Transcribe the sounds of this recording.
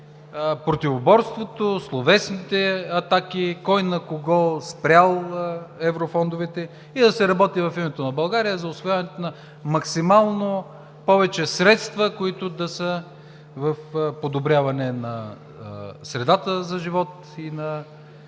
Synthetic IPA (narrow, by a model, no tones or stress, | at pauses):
pɾot̪ivobɔɾst̪vot̪oslˠovɛsnit̪ɛɐt̪akikɔjnɐkoɡɔlˠspɾʲalˠɛvɾofɔnd̪ovɛt̪ɛ | id̪ɐsɛɾɐbɔt̪ivɐfimɛt̪onɐbɐlˠɡaɾijəzɐʊsvojavɐnɛt̪onɐ | mɐksimalˠno | pɔvɛt͡ʃɛsɾɛt̪st̪vɐkoit̪ʊd̪ɐsə | vəfpod̪obɾʲavɐnɛnɐ | sɾɛd̪at̪əzɐʒivɔt̪ | inɐ